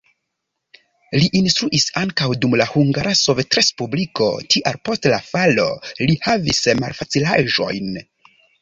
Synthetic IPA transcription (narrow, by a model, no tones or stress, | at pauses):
liʔinstɾuʔisaŋkawdumlahuŋɡaɾaso̞vetɾe̞spubliko̞̰tiʔalpo̞stlafalo̞̰lihavisma̰lfat͡silaʒo̞̰jn